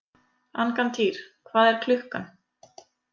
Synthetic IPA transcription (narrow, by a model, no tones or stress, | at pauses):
ankant̪ʰiːɾ̥kʰvaːðɛɾ̥kʰlʏhkan